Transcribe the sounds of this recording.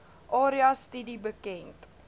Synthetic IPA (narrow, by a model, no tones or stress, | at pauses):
ʔɑːɾiɐstədibəkɛnt